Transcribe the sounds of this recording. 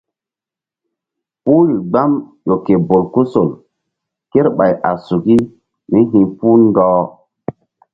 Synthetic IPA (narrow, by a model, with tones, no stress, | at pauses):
pu˦ɾi˨ɡ͡ba˦mjo˨ke˨bo˨lku˦so˨l | ke˦ɾɓa˨jʔa˨su˨ki˦ | mi˦ɦĩ˨pu˦ndɔː˦